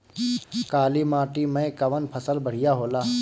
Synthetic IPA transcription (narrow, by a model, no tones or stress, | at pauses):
kaːlimaːʈimə̃kɐʋənpʰəsəlbəɽ̤ɪjaɦoːlaː